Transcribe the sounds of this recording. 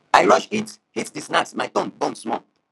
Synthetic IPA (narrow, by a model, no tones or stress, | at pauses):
ajɹɔʃithitdisnatsmaɪtɔ̃nbɔ̃nsmɔ